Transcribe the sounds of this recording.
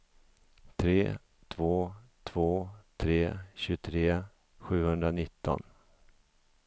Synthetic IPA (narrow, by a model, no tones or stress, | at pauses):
t̪ʰɾeː | t̪ʰvoːt̪ʰv̥oːt̪ʰɾeːɕɵt̪ʰɾeː | ɧʉ̟ːhɵnd̪ɾanɪt̪ːɔ̰n